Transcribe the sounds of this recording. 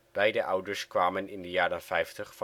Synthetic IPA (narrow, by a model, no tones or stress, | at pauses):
b̥ɛjdəʔʌwdəɹskʋaːmənɪndəjaːɾənfɛjftəχf